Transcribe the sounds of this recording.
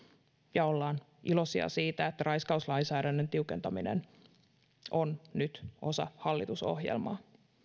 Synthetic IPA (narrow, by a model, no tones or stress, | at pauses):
jɑolːɑːn | ʔilo̞siɑ̰siːt̪æet̪ːærɑjskɑuslɑinsæːdænːent̪iukent̪ɑminḛn | ʔonnyt̪ʔo̞sɑ̰hɑlːit̪uso̞̰hjḛlmɑ̰ː